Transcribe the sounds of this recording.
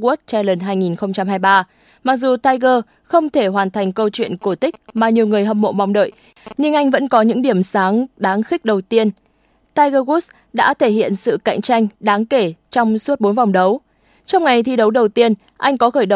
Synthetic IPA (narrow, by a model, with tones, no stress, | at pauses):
ɣu˦˥t̚t͡ɕa˧jlə˨˩nɦaː˧jŋi˨˩nxə˧ŋ͡mt͡ɕa˧mɦaː˧jɓaː˧ | ma˨˩k̚zu˨˩t̪aː˧jɣəː˧ | xə˧wŋ͡mt̪ʰe˧˩ɦwaː˨˩nt̪ʰa˨˩jŋ̟kə˧wt͡ɕwḭ˧˨ənko˧˩t̪ï˦˥k̟̚maː˨˩ɲi˨˩əwŋɨ˨˩əjɦə˨˧˩m̚mo̰˧˨ma˨˩wŋ͡mɗə̰ː˧˨j | ɲɨ˧ŋʔa˧jŋ̟və̰˧˥nkɔ˨˦ɲɨ̰˧˥ŋɗi˧˩əmsaː˨˦ŋɗaː˨˦ŋxï˦˥k̟̚ɗə˨˩wt̪i˧ən | t̪aː˧jɣəː˧ɣu˦˥s | ɗa̰ː˧˥t̪ʰe˧˩hḭ˧˨ənsɨ̰˧˨ka̰˧˨jŋ̟t͡ɕa˧jŋ̟ɗaː˨˦ŋke˧˩t͡ɕɔ˧wŋ͡msu˦˥t̚ɓo˨˦nva˨˩wŋ͡mɗə˨˦w | t͡ɕɔ˧wŋ͡mŋa˨˩jt̪ʰi˧ɗə˨˦wɗə˨˩wt̪i˧ən | ʔa˧jŋ̟kɔ˨˦xəː˧˩jɗə˨˦